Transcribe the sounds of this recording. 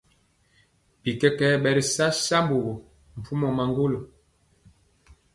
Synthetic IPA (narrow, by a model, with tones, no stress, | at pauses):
pi˨kɛ˦kɛ˦ɓɛ˨ɾi˨sa˦sa˦mbo˨ɣo˨ | m̩˨fu˦mɔ˨ma˨ŋɡo˦lo˨